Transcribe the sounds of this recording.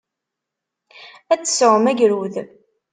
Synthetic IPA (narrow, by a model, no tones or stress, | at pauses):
æt͡sːə̥səʁəmæʝɾuð